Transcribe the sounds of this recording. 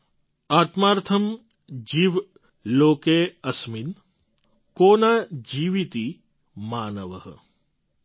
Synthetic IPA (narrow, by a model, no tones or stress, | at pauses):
aːt̪maːɾt̪ʰɐm | d͡ʒiʋ | loːkeɐsmin | koːnaːd͡ʒiːʋit̪i | maːnəʋəɦə